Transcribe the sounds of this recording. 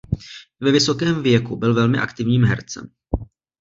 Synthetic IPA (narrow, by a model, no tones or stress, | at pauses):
vɛvɪsokɛːmvjɛkubɪlvɛlmɪʔa̰kt̪ɪvɲiːmɦɛ̰ɾt͡sɛ̰m